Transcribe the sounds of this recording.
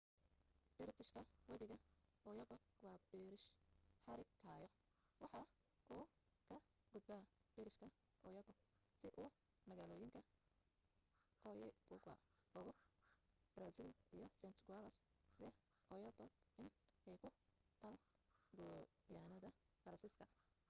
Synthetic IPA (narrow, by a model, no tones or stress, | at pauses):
b̥ɪɾt̪ʰɪʃkʰɐwɛβɪɣɐʔɔjɐbɔɡwɑːbɛɾɪʃħɑɾɪɡkʰaːjɔ | wɑħɑ | ʔuːkʰɐ | ɡ̥ʊd̪̚bɐːb̥ɛɾɪʃkʰɐ | ʔɔjɐbɔ | sɪʔʊː | mɐɣaːlɔːjɪŋkʰɐ | ʔɔjbʊɡwa̰ɔɣɔ | b̥ɾasɪlijɔsɛnt̪ʰɡalɐsd̪ɛ | ɔjɔbɐɡʔɪnɛjkʰʊt̪ʰɐlɡɔ | jaːnɐðɐfɐɾɐnsiːskʰɐ